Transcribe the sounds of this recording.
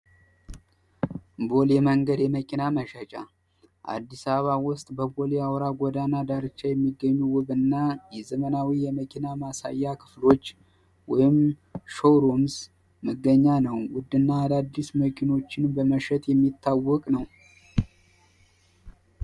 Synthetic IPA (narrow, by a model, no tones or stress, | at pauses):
bo̞ljɛməŋɡəd̪jɛməkʼinaməʃət͡ʃʼa | ʔa̰d̪ːisaβəβawʊst̪ʼbəbo̞ljawɾaɡʷɔd̪anad̪aɾɨt͡ʃːajɛmːiɡːəɲːuwʊβɨnːajɛzəmənawijɛməkʼinamasa̰jːakʰɨ̥flo̞t͡ʃː | wɔjɪmʃowɾo̞ms | məɡːəɲːanəwwʊd̪ɨnːaːd̪ad̪ːisməkʰino̞t͡ʃːɪnbəməʃɛt̪jɛmːit̪ʰːawːɔkʼnəw